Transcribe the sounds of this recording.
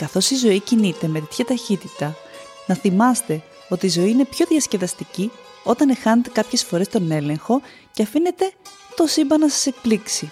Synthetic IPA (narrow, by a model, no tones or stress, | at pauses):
kɐθo̞sizo̞icinit̪e̞me̞t̪et̪çɐt̪ɐçit̪it̪ɐ | nɐθimɐst̪e̞ | o̞t̪iːzo̞iːne̞pço̞ðjɐsce̞ðɐst̪ici | o̞t̪ɐne̞xɐnet̪e̞kɐpçe̞sfo̞ɾe̞st̪o̞ne̞le̞ŋxo̞ | ceɐfine̞t̪e̞ | t̪o̞simbɐnɐsɐ̥se̞k̚pliksi